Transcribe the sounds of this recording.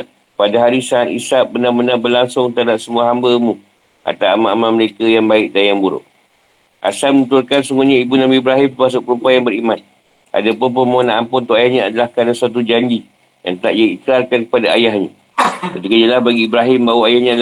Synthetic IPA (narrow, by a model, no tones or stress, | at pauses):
padaɦaɾisaat̪ḭsaʔ̚bənamənabərlaŋsʊŋt̪adaʔsəmuaɦambəmũ | ʔa̰t̪aamaʔamaməɾekajaŋbaɪʔ̚dajaŋbuɾʊ̰ʔ̚ | ʔa̰salməut̪ʊrkansuŋuɲãibunamiːbɾaɦɪmt̪mas̬ʊʔpəɾumpajaŋbəɾimãn | ʔa̰dapʊnpəmoonãʔampʊnt̪uʔajahɲãadalahkanansat̪̬ud͡ʒaɲd͡ʒi | ja̰ŋt̪aʔiaikɾarkankə̥padaajaɦɲã | kət̪ikad͡ʒəlahbaɡiːbɾaɦɪmbawaajahɲaːda